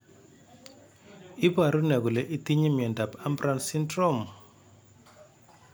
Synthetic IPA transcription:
ɪ˦ba˨ɾu˦nɛ˨ɡu˨lɛ˨ʔi˦t̪i˦ɲi˦mjɛ˨nda˨pa˦mbɾa˦nsi˦ndɾɔ˦m

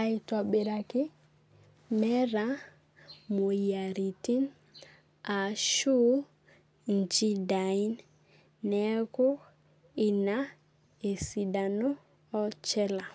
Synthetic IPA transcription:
a˨i˨tɔ˨ɓe˨ɾa˨kɪ˦ | mɛ˦ɾa˦ | mo˨ja˨ɾi˨ti˦n | a˨ʃu˦ | n˨d͡ʒi˦da˨i˦nː | ɛ˦ko˦ | i˨na˦ | e˨si˨da˨no˦ | ɔ˦t͡ʃɛ˦la˨

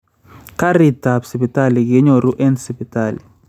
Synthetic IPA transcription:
ka˦ɾi˨ta˨bsi˨bi˨tʼa˦˨li˨k̬i˦ɲɔ˨ɾu˦ʔɛ˦nsi˨pi˨tʼa˨li˨

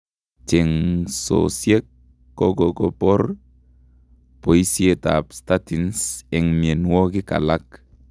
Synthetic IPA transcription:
t͡ʃe˨ŋso̰sje˦kː | o˦ɡo˨ɡo˨pɔ˦ɾ | po˨i˦si˦e˨ta̰˨psta˦ti˨nse˨ŋmi˨e˨nwo˦ki˦ka̰˨la˦k

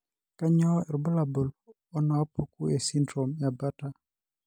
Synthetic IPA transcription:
ka˦ɲɔ˦ɛ˨ɾbɔ˦la˨bo˨l | ɔ˦naː˨˦po˨ku˦e˨si˦ndɾo˨mja˨ba˦ta˦

